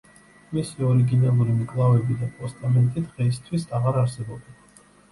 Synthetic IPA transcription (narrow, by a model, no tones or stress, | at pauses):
misiɔɾiɡinalˠuɾimkʼlˠavɛbid̪apʼɔst̪ʼamɛnt̪ʼid̪ʁɛist̪ʰwisaʁaɾaɾsɛbɔb̚d̪ɛn